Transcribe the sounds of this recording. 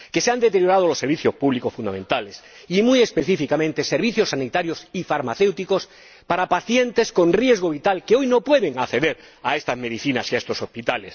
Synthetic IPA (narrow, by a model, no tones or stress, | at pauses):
ke̞seand̪et̪eɾjo̞ɾað̞olosːeɾβiθjospuβlikosfund̪amẽ̞nt̪ales | imuje̞speθifikamẽnt̪eseɾβiθjosːanit̪aɾjosifaɾmaθe̞wt̪iko̞s | paɾapaθje̞nt̪e̞sko̞nrje̞zɣ̞oβit̪alkeojnopwe̞ðe̞ŋaθe̞ðeɾ | aest̪azme̞ðiθinasiaest̪oso̞spit̪ales